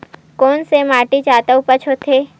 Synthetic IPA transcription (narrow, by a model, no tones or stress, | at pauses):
koːnsemaːʈit͡ʃaːt̪əupət͡ʃʰot̪ʰeː